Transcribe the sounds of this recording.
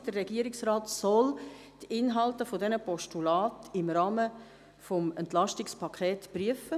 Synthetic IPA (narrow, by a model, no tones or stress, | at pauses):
d̥ərːɛɡiəɾɪksraːtsɔl | tɪnɦɑltəfodɛnəpɔʃtulɑːtɪmɾɑːmə | fɔmɛntlɑʃtɪkspʰɑkʰχeːtpryəfə